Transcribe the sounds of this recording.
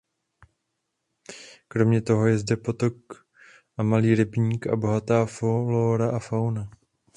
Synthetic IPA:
kɾo̞mɲɛt̪o̞ɦo̞jɛzdɛpo̞t̪o̞k | ʔamaliːɾɪbɲiːkʔa̰bo̞ɦat̪aːfoloɾaʔafawna

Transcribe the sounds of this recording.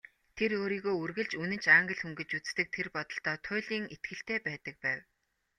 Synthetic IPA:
t̪ʰeɾoːɾiːɣoːurɣɘ̆ɮt͡ɕunɘ̆nt͡ɕaːŋɡə̆ɮxuŋɡɘ̆t͡ɕut͡st̪ɘ̆k̚t̪ʰerpɔt̪ɞ̆ɬt̪ɔːt̪ʰʊːɮiːŋet̪̚ɡɘ̆ɬt̪eːpæːt̪ə̆k̚pæːw

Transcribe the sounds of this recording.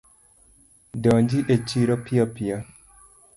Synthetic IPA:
dɔɲd͡ʒiʔet͡ʃiɾɔpiapia

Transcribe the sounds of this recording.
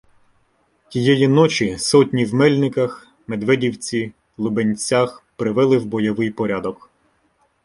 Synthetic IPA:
tʲijɛjinɔt͡ʃisɔtʲnʲiwmɛlʲnɪkɐx | med̪ʋɛdʲiwt͡sʲi | lˠʊbenʲt͡sʲaxpɾɪʋɛlˠɪwbɔjɔʋɪjpɔɾʲad̪ɔk

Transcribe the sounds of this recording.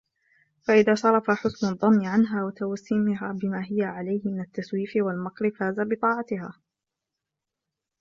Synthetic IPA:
faʔɪðaːʃɑɾˤɑfaħʊsnɑd̪ˤːɑnːɪʕanɦaːwat̪awasːiːmɪɦaːbɪmaːɦɪjaʕalajhɪmɪnat̪ːaswiːfɪwalmɑqɾɪfaːzabɪt̪ˤɑːʕɑt̪ɪɦa̰ː

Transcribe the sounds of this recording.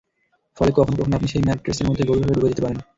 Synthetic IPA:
fɔlekɔkʰonp̬okʰonapniʃejmɛɾʈːɾeseɾmod̪ʱːeɡoɾibʱabeɾubed͡ʑit̪epaɾen

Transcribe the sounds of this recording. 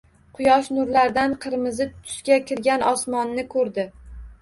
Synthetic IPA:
qʰʊjɒʃnʊɾlaɾd̪anqʰɨɾmɪzɪt̪t̪ʰʊ̥ʃkʲakʲʰɪɾɡʲanʔɒsmɒnːɪkʰɵɾd̪ɪ

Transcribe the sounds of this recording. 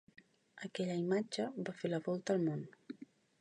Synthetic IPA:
əkɛʎəimad͡ʒəbafeləβɔlˠt̪əlˠmon

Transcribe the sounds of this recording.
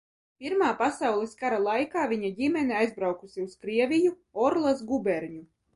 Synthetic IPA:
pʲiɾmaːpasawlˠɛskaɾalˠajkaːvʲiɲadʲimʲɛniajzbɾawkusiuskɾiɛvʲiju | ɔɾlˠasɡubʲɛɾɲu

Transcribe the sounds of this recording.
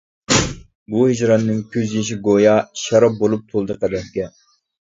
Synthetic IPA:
buhɪd͡ʒɾɑtnːɨŋkʲʰøzjeʃ̬iɡojɑʃɑɾɑp̚bolˠup̚t̪ʰolˠd̪əqʰæd̪ɛhkʲɛ

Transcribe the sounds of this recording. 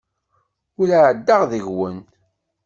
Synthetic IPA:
ʊɾaʕəd̪ːaʁðəʝwən

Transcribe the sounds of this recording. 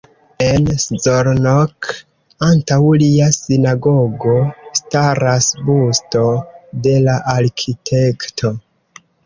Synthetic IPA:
enszoɾnok | antawliasinaɡoɡo̞staɾasbusto̞de̞laʔaɾkʰitʰe̞ktʰo̞

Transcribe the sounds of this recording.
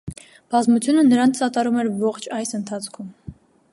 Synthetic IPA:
b̥ɑzmut͡sʰjunənəɾɑnt͡sɑt̪ɑɾumɛɾvɔχt͡ʃʰɑjsənt̪ʰɑt͡sʰkʰum

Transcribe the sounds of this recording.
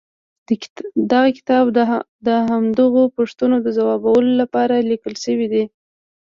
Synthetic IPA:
d̪aɣakɪ̥t̪ɑb | d̪əɦamd̪əɣopoʂt̪unod̪əzawɑbawəlolapɑɾalikəlʃəwid̪i

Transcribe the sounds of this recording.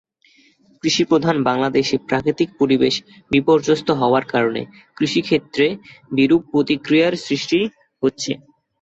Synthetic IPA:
kɾiʃipɾod̪ʱanbaŋlad̪eʃepɾakɾit̪ik̚poɾibeʃ | bipoɾd͡ʑost̪oɦɔoaɾkaɾonḛ | kɾiʃikʰet̪ːɾebiɾub̚pːɾot̪ikɾijaɾsɾiʃʈi | ɦotːɕʰḛ

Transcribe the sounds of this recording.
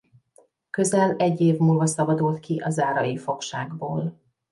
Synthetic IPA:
kø̞zɛlɛɟːeːvmuːlvɒsɒbɒd̪ult̪kiʔɒzaːɾɒjifo̞kʃaːɡboːl

